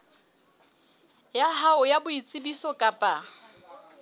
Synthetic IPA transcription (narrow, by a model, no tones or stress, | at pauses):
jaɦaʊjabʊit͡sʼɪbisɔkʼapʼa